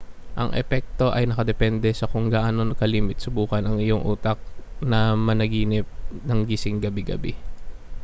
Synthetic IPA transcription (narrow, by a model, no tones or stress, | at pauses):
ʔɐ̰ŋʔɛ̰pɛk̚t̪o̞ʔɐjnɐkɐd̪ɛpɛnd̪ɛsɐkʊŋɡaːʔano̞nɐkɐliːmɪt̪sɐbuːkɐnɐŋɪjoŋʔṵːt̪ɐk̚nɐmɐnɐɡiːnɪp̚nɐŋɡisɪŋɡɐbɪɡɐ̰bɛ